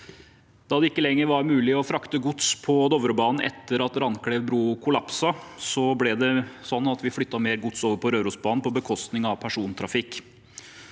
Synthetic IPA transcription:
d̪̥ɑːd̪ɛɪkːəlɛŋːəɾʋɑɾmʉːlɪɔfɾɑkt̪əɡʊt̪spʰɔd̪ɔʋɾəbɑːnn̩ɛ̰t̪ːəɾɑt̪ɾɑnkɽeːʋbɾuːkʰʊlɑpsɑsɔblɛd̪ɛsɔnːɑt̪ʋɪfɽʏt̪ːɑmeːɾɡʊt̪soːʋəɾpʰɔɾøːɾuːsbɑːnn̩pɔbəkʰɔst̪nɪŋɑʋpʰæʂuːnt̪ʰɾɑfɪkː

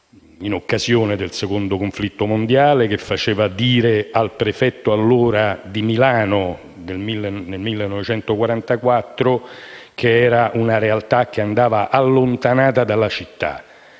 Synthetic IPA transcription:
inokːazjoːned̪elsekond̪okoɱflit̪ːomond̪jaːlek̟efːat͡ʃeːvad̪iːɾealpɾefɛt̪ːoalːoːɾad̪imilaːno | d̪elmilːenelmilːenːɔvet͡ʃɛnt̪okwaɾant̪akwat̪ːɾokʰeɛːɾaʔunaɾealt̪ak̟ːeand̪aːvaʔalːont̪anaːt̪ad̪alːat͡ʃit̪ːa̰

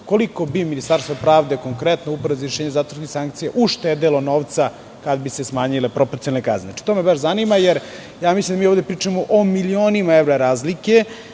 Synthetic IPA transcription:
koliko̞biminist̪aɾst̪vopɾaːʋd̪e̞koŋkɾet̪noupɾeziɾeʃeːɲezat̪ʋɾnisaŋkt̪sijeʔuʃt̪ed̪elˠo̞noːʋt̪sa | kad̪bisesmaːɲilepɾopoɾt̪ionalneka̰zneat͡ʃi̥t̪omebaʃzanimajeɾ | jaːmislimd̪amioʋd̪epɾiːt͡ʂamoʔomilioːnimaevɾaɾaːzlike̞

